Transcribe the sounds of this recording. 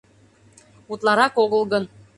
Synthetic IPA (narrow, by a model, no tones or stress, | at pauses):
ut̪lˠɑɾɑkoɣəlˠɣən